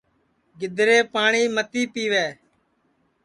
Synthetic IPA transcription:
ɡɪd̪ʱɾeːpaːɳiːmət̪iːpiːʋeː

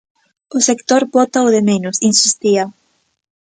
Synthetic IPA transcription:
ʊsekt̪oɾbot̪aoðemenʊsinsist̪iɐ

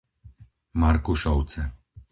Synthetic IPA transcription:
maɾkuʃɔwt͡sɛ

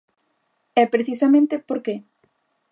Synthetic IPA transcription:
ɛpɾeθisamẽnt̪epoɾke

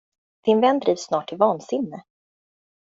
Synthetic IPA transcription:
d̪̥ɪnvɛnːd̪ɾiːvsːnɑːʈʰːɪlvɑːnsɪnːə

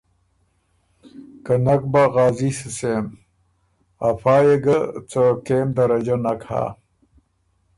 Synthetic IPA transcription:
kənak̚baɣaːzisisem | afaːjeɡət͡səkeːmd̪ɐɾɐd͡ʑanakha̰

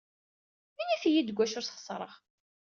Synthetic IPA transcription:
minifijid̪əɡʷːæʃʊɾsχə̥sˤɾˤə̰ʁ

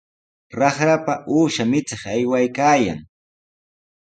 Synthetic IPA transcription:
ɾɑχɾapaʔuːʃamɪt͡sɪχajwajkaːja̰ŋ

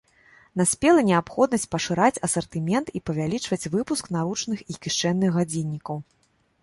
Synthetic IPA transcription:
nasʲpʲɛlˠɐnʲɛapxɔd̪̚nɐsʲt͡sʲpɐʂɨɾat͡sʲɐsɐrt̪ɨmʲɛnt̪ipɐvʲalʲit͡ʂvɐt͡sʲvɨpuskn̪aɾut͡ʂnɨxikʲiʂt͡ʂɛnːɨxːad͡zʲinʲːikɐw

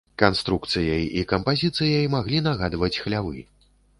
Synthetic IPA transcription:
kanst̪ɾuk̚t̪sɨjɐjikɐmpazʲit̪sɨjɐjmaɣlʲin̪aɣad̪vɐt͡sʲxlʲavɨ̰

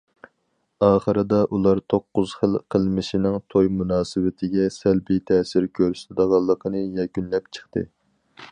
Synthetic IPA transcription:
ɑːχəɾɨd̪ɑʔulˠɑɾt̪ʰoqːʊz̥χəlˠqʰəlˠmɪʃinɪŋt̪ʰojmunɑːsɨwɪt̪ʰɪɡʲɛsælbit̪ʰɛːsɪɾkʲʰøɾst̪ɪd̪əʁɑlˠːəqʰənɨjɛkʲynlɛpt͡ʃʰə̥χt̪ɨ̰

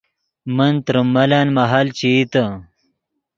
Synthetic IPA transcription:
mɐnt̪ɾumɐlaːnmɐɦalt͡ɕit̪ɐ

